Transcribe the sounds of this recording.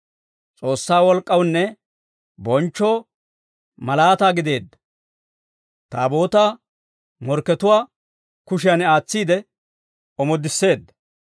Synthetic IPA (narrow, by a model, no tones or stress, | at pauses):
t͡sʼo̞ːsːaːwɔlkʼːɐwnːɛ | bɔnt͡ʃːoː | mɐlaːt̪aːɡɪd̪e̞ːd̪ːɐ̥ | t̪a̰ːbo̞ːt̪aː | mɔɾkːɛt̪ʊwaː | kʊʃɪjɐnaːt͡sːiːd̪ɛ | ɔmɔd̪ːɪsːe̞ːd̪ːɐ̥